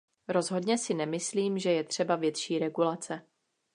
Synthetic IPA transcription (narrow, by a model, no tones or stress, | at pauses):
ɾo̞zɦo̞dɲɛsɪnɛmɪsliːmʒɛjɛt̪r̝̥ɛbavjɛt̪ʃiːɾɛɡulat͡sɛ